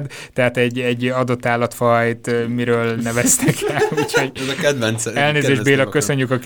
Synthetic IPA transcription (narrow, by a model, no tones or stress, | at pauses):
d̪ | t̪ɛɦat̪ɛɟɛɟːɒd̪o̞t̪ːaːlːɒt̪fɒjt̪miɾøːlnɛvɛst̪ɛkɛuucho̞ɟɛzɒkɛd̪vɛnt̪sɛlneːzeːʒbeːlɒkːøsø̞ɲːykɒk